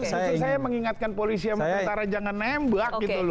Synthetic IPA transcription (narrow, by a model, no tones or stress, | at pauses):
sit̪usajaməŋiŋat̪̚kanpolisiamant̪aɾad͡ʒaŋanːɛmbak̚ɡit̪ul